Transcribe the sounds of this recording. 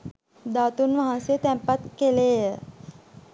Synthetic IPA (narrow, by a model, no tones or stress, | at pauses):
d̪at̪unʋaɦansijət̪ɛmpat̪kelejə